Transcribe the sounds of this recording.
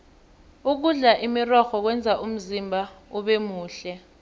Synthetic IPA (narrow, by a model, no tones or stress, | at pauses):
uk̬uɮaʔimirɔxɔk̬wɛnd͡zʱaʔum̩zimbʱauɓemuːɬɛ